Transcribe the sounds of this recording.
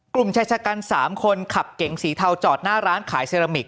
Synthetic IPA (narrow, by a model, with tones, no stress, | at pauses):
klu˨˩mt͡ɕʰaː˧˩t͡ɕʰaː˧kaː˧nsaː˩˦mkʰo˧nkʰa˨˩p̚ke˩˦ŋsiː˩˦t̪ʰa˧wt͡ɕɔː˨˩t̪̚naː˥˩ɾaː˦˥nkʰaː˩˦jseː˧ɾa˧mi˨˩k̚